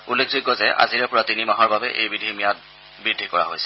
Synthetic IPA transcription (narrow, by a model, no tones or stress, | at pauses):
ulːekʰzʊɡːɔzɛʔa̰ziɹɛpʊɹatinimaɦɔɹbabɛʔejbɹidʱimijat̚ | bɹidʱːikɔɹa̰ɦo̰jsɛ̥